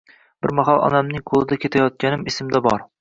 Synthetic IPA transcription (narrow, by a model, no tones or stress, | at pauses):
b̥ɪɾmɒɦɑlˠʔɒ̰namnɪŋqʰolˠɨd̪akʲʰet̪ʰajɒt̪̚kʲanɪmɪsɪmd̪abɒɾ